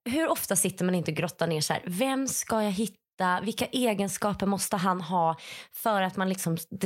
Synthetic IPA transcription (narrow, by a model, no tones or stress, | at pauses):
ɦɵɾɔft̪asɪt̪ːəɾmanɪnt̪əɔɡɾɔt̪ːaneːʂæ̰ːɾvɛmskajaɦɪt̪ːavɪlkːaʔeːɡənskɑːpəɾmɔst̪əɦanɦɑːfœɾat̪manlɪksɔmd̪